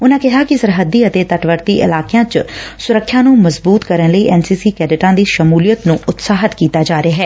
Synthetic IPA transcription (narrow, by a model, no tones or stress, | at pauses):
ʊnãːkɪɦaːkɪsəɾɦəd̪ːiːət̪eːt̪əʈʋəɾt̪iːʔɪ̰laːkejãːt͡ʃsʊɾəkʰːjãːnũːməzbuːt̪kəɾənləiːʔɛːnsiːsiːkɛːɖɪʈãːd̪iːʃəmuːlijət̪nũːʔʊt̪saːɦət̪kiːt̪aːd͡ʒaːɾeaːɦɛː